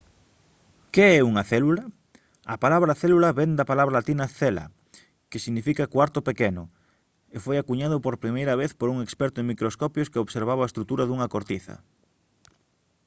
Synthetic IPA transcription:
keɛuŋɐθɛlulɐ | ɐpalaβɾɐθɛlulɐβend̪ɐpalaβɾalat̪inɐθɛlɐ̰ | kɪsiɣnifikɐkwaɾt̪ʊpekɛnʊ | efojakuɲaðʊpoɾpɾimejɾɐβeθpoɾuŋekspɛɾt̪ʊeŋmikɾoskɔpjoskeoβseɾβ̞aβaest̪ɾut̪uɾɐðuŋɐkoɾt̪iθɐ̰

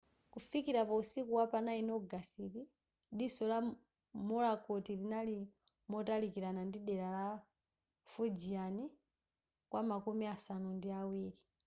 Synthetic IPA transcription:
kufikiɾapausikuwapanainɔɡasiti | ɗisɔla | mɔlakɔtilinali | mɔtalikiɾanandiɗɛɾala | fud͡ʒiani | kwʔamakumiasanundiawiːɾi

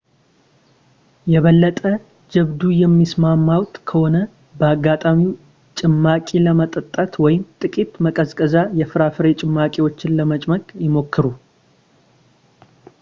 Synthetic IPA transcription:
jɛβəlːət̪ʼə | d͡ʒɛβd̪ujɛmːismamːawt̪kʰəho̞nə | bəaɡːat̪ʼami | t͡ʃʼɪmːakʼiləmət̪ʼət̪ʼːət̪wɔjɪmt̪ʼɨkʼit̪məkʼəzkʼəzajɛfɨɾafɨɾe̞t͡ʃʼɪmːakʼewo̞t͡ʃːɪnləmət͡ʃʼməkʼjɪmo̞kʰːɨɾu

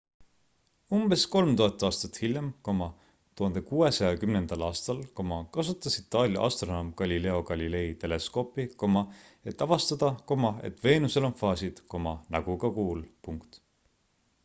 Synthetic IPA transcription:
umb̥e̞sko̞lmt̪uhɑt̪ːˑɑːst̪ɑt̪hiljɑmko̞mɑ | t̪uhɑnd̪ekuːe̞sɑjɑkymnend̪̥ɑlɑːst̪ɑlko̞mɑkɑsut̪ːˑɑsit̪ːˑɑːlʲjɑ̰ʔɑ̰st̪ro̞nomkɑlʲile̞o̞ɡɑlʲile̞it̪e̞le̞sko̞ːpˑiko̞mɑ | e̞t̪ːˑɑvɑst̪ɑd̪ɑko̞mɑe̞̰t̪ve̞ːnuse̞lo̞nfɑːsid̪̥ko̞mɑnɑɡ̥uɡ̥ɑkuːlpuŋkt̪

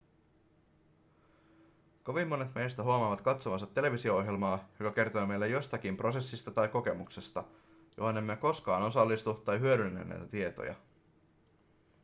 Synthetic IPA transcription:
ko̞ʋimːo̞ne̞t̪me̞jst̪æɦuɑmɑːʋɑt̪kɑt̪somɑsɑt̪ːe̞le̞ʋisio̞o̞ɦjelmɑːjo̞kɑk̟e̞rt̪o̞jme̞jlːejo̞st̪ɑkimpro̞se̞sːist̪ɑt̪ɑjko̞ke̞mukse̞st̪ɑ | jo̞̰ɦo̞ne̞mːeko̞skɑːno̞sɑlːist̪ut̪ɑjɦyøɾynːæ̰nːæ̰jt̪æt̪ie̞t̪o̰jɑ̰

